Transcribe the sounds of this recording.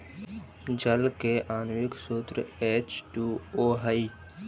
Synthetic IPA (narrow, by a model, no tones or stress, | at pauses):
d͡ʒəlkeʔaːnwɪksuːt̪ɾə̰eːt͡ʃʈuːoːɦai